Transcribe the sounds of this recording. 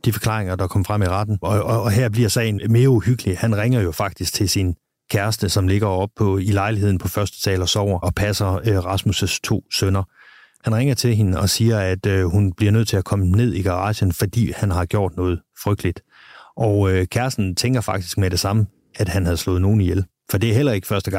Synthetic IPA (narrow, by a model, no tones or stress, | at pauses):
d̥ifɒ̽kʰlɑ̰̈ːʁeŋɐd̥ɑ̈kʰɒ̽mfʁam̰iʁɑd̥n̩ɒːɦæɐ̰b̥liɐsɛɪnme̝ːɐuhyɡ̥əlihænʁeŋ̰ɐjo̝fɑ̈ɡ̥̚d̥isɡ̥̚t͡sʰe̝lsin | kʰæɐsd̥əsɒ̽mle̝ɡ̥ɐɒ̽b̥̚pʰɔ̽ilɑ̈ɪliɦe̝ð̞̰ˠn̩pʰɒ̽fɶɐsd̥ə̥t͡sʰɛ̰ːlɒsɒʊ̰ɐɒ̽pʰæsɐøʁɑ̈smusəst͡sʰo̝̰ːsønɐ | hænʁeŋɐt͡sʰe̝lɦe̝nɒ̽siːɐæd̥øhunb̥liɐnøð̰ˠt͡sʰe̝ækʰɒ̽mne̝ð̞̰ˠiɡ̥ɑ̈ɑ̰̈ɕənfɒd̥ḭːhænɦɑ̈ɡ̥jo̝ɐ̰d̥nɔ̽ːð̞̩ˠfʁœɡ̥̚d̥əlid̥ | ʔɒʊøkʰæɐsd̥n̩t͡sʰeŋɡ̥ɐfɑ̈ɡ̥̚d̥isɡ̥̚meɾ̥e̝sɑ̈mə | æd̥hænhæð̞̩ˠslɔ̽ːð̩ˠno̝ːn̩ijel | fɒ̽d̥e̝æɐɦel̰ɐe̝ɡ̥ə̥fɶɐsd̥əɡ̥ɑ̈ŋ̰